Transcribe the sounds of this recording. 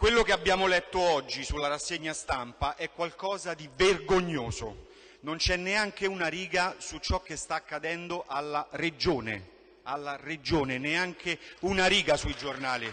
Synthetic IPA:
kwelːokeabːjaːmolɛt̪ːoɔd͡ʒːisulːaɾasːeɲːast̪ampaʔɛkːwalkɔːzad̪iverɡoɲːoːzo | nont͡ʃɛnːeaŋkeunaɾiːɡasut͡ʃːɔkːest̪aːkːad̪ɛnd̪oʔalːaɾed͡ʒoːnḛ | alːared͡ʒoːneneaŋkʰeunaɾiːɡasuid͡ʒornaːli

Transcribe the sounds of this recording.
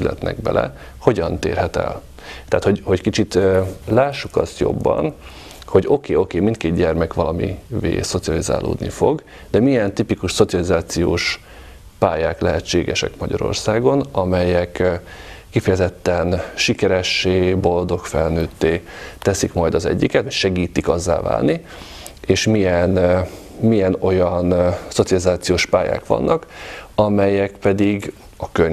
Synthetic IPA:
sylɛ̰t̪nɛ̰ɡbɛ̰lɛ̰ | ho̞ɟɒnt̪ḛːrɦɛt̪ɛ̰l | t̪ɛaːt̪hoɟho̞ckit͡ʃit̪laːʃːukɒst̪jo̞̰bːɒ̰n | ho̞ɟo̞keːo̞keːmint̪keːd̪ɟɛrmɛkʋɒlɒmḭvḛːso̞t̪sijɒliza̰ːlʔo̰ːd̪nḭfo̞ɡ | d̪̥ɛmijɛnt̪ipikuʃso̞t̪siɒlizaːt̪sijoːʃ | paːjaːklɛɦɛt͡ʃːeːɡɛʃɛ̰kmɒɟɒ̰ɾo̞̰rsaːɡo̞nɒmɛjɛkː | ifɛjɛzɛt̪ːɛnʃikɛɾɛʃːeːbo̞ld̪o̞kfɛlnøːt̪ːeːt̪ɛsikmɒjd̪ɒzɛ̰ɟːikɛt̪cʃɛɡiːt̪ikɒzːa̰ːva̰ːlni | eːʃmijɛn | mijɛno̞jɒnsot̪siɒlizaːt̪sijoːʃpaːja̰ːkʋɒ̰nːʔɒkɒmɛjɛkpɛd̪iɡ | ɒkøɲ

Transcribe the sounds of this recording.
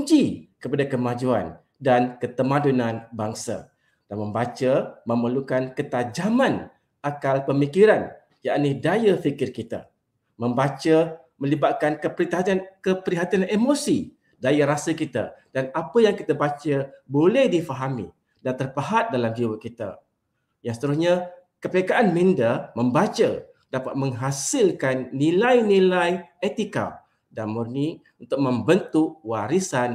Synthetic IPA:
ɲd͡ʒikəpadakəmãd͡ʒua̰n | dankət̪əmãdunãnbaŋsa̰ | d̥anmə̃mbat͡ʃəmə̃məlukankət̪ad͡ʒamãn | akalpəmikiɾan | jaʔnidajafikɪrkit̪a̰ | mə̃mbat͡ʃə | mə̃libaʔ̪̚kankəpəɾit̪aɦankəpəɾiɦat̪ianemosi | dajaɾasəkit̪a̰d̥anapəjaŋkit̪abat͡ʃəbolɛhdifaɦamḭ | dant̪ərpaɦat̪̚dalamd͡ʒiwəkit̪a̰ | jãŋsə̥t̪əɾusɲa | kəpekaʔanmindəməmbat͡ʃə̰ | d̥apat̪̚mə̃ŋɦasɪlkanːilajnilajet̪ika̰ | danmurni | unt̪ʊk̚mə̃mbənt̪uʔwaɾisan

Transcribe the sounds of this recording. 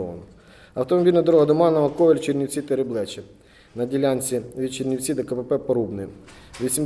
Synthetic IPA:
ɔʋɐ̰nɔ | ɐwt̪ɔmɔbʲilʲnɐd̪ɔɾɔɦɐd̪ɔmɑnɐʋɐkɔʋʲelʲt͡ʃerʲnʲiwt͡sʲit̪eɾɪblˠɛt͡ʃɪ | nɐdʲilʲanʲt͡sʲiʋʲit͡ʃernʲiwt͡sʲid̪ɐkɐpepɛpɐɾubnɪʋʲisʲim

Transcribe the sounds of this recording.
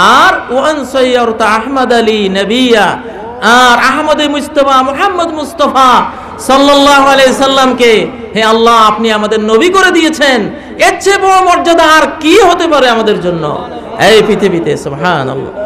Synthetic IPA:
aɾwaʔɐnsɔjːɐɾt̪aaɦmɐd̪alinɐbija | aɾaɦmɐd̪emud͡ʑt̪ɐfamʊħamːɐd̪must̪ɔfa | sɔlːɐlːaːɦoaleesɐlːɐmke | ɦeɐlːaapniamad̪eɾnobikoɾed̪ijet͡ɕʰen | eːʃʰebɔɽ̃omɔɾd͡ʑad̪aːɾkiɦot̪epaɾeamad̪eɾd͡ʑonːo̰ | ejpɾit̪ʰibit̪esubɦaːnɐ̰lːɑ̰

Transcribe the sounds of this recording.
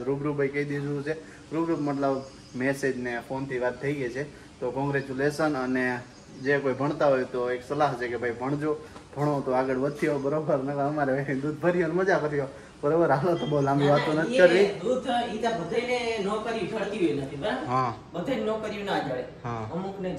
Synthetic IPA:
ɾubɾubʱəjkəid̪id͡ʒuut͡ʃʰe | ɾubɾut̪məʈ̪ləb | mesed͡ʒnefont̪ʰiʋat̪̚ʰːəiɡet͡ʃʰe | t̪okɔ̃ŋɡɾet͡ʃulesənəne | d͡ʒekojbʱəɳ̃t̪aɦojt̪oeksəlaɦt͡ʃʰekebʱaibʱəɳ̃d͡ʒobʱəɽ̃ot̪oaɡəɽʋət̪̚t̪ʰiobəɾobəɾnəkəəmaɾeʋeʈid̪ud̪̚ʱbʱəɾijoneməd͡ʒapəɾijo | bəɾobəɾɦalot̪obəlãmbĩʋat̪onət̪ʰikəɾʋiɾut̪ʰit̪abəd̪ʱainenɔkəɾid͡ʒʱəɭt̪iɦojnət̪ʰibəɾaɦã | bəd̪ʱajnenɔkəɾinad͡ʒʱəɭeɦãəmukʰne

